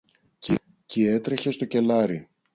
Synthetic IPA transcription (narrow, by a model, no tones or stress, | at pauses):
c | cie̞t̪ɾe̞çe̞st̪o̞ce̞lɐɾi